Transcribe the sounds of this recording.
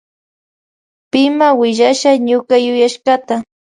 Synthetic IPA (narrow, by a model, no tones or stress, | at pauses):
pɪmawɪʒaʃaɲʊkajʊjaʃkat̪a